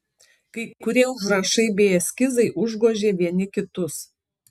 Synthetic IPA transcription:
kɐɪkʊɾʲiɛʊʃɾɐʃɐɪbʲeːɛsʲkʲɪzɐɪʔʊʒɡoːʒʲeːʋʲiɛnʲɪkʲɪt̪ʊs

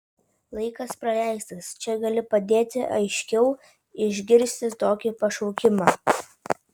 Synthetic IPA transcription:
lˠɐɪkɐspɾɐlʲæˑɪst̪ɐst͡ʃʲɛɡɐlʲɪpɐd̪ʲeːt̪ʲɪʔɐɪʃʲkʲɛʊ | ɪʒʲɡʲɪɾʲsʲt̪ʲɪt̪oːkʲɪpɐʃɔʊkʲɪmɑː

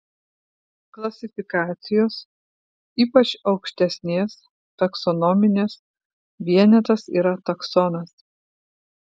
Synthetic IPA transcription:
klˠɐsʲɪfʲɪkɑːt̪sʲɪjoːs | iːpɐt͡ʃɒʊkʃʲt̪ʲɛsʲnʲeːs | t̪ɐksɔnɔmʲɪnʲeːs | ʋʲiɛnʲɛt̪ɐsḭːɾɐt̪ɐksɔnɐs

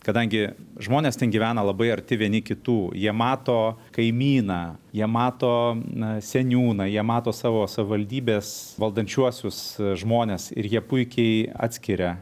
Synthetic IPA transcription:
kɐd̪ɐŋʲɡʲɪʒmoːnʲeːstʲɛnɡʲiʋʲæːnɐlˠɐbɐɪɐɾʲt̪ʲɪʋʲiɛnʲɪkʲɪt̪uːjiɛmɑːt̪oːkɐɪmʲiːnɑjiɛmɑːt̪oːsʲɛnʲuːnɑːjiɛmɑːt̪oːsɑːʋoːsɐʋʲɪʋɐlʲd̪ʲiːbʲeːsʋɐlˠd̪ɐnʲt͡ʃʲuɔsʲʊsʒmoːnʲeːsɪ̰ɾjiɛpʊɪkʲɛɪɑ̰ːt̪sʲkʲɪɾʲɛ

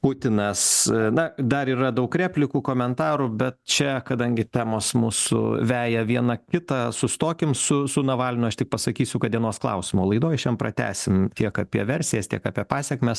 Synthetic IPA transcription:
pʊt̪ʲɪnɐsnɐd̪ɐɾiːɾɐd̪ɐʊkkɾʲæːpʲlʲɪkuːkoːmʲɛnt̪ɑːɾubʲɛt̪̚t͡ʃʲɛkɐd̪ɐŋʲɡʲɪt̪ʲæːmoːsmuːsʊ̰ʋʲæːjɛʋʲiɛnɐkʲɪt̪ɑsʊst̪oːkʲɪmsʊsʊnɐʋɑːlʲɪnʲʊɐʃt̪ʲɪk̚pɐsɐkʲiːsʲʊkɐt̪̚d̪ʲiɛnoːsklˠɐ̰ʊsʲɪmoːlˠɐɪd̪oːjɪʃʲɛmpɾɐ̰t̪ʲæ̰ːsʲɪmt̪ʲiɛkɑpʲiɛʋʲɛɾʲsʲɪjɛːst̪ʲiɛkɑːpʲiɛpɑːsʲɛkmʲɛs

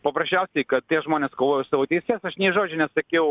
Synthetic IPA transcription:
pɐpɾɐʃʲæʊsʲɛɪkɐt̪̚tʲiɛʒmoːnʲeːskoːʋoːjʊsɑʋoːt̪ʲɛɪsʲeːsɐʃnʲɛʒoːd͡ʒʲʊnʲɛsɐkʲɛʊ

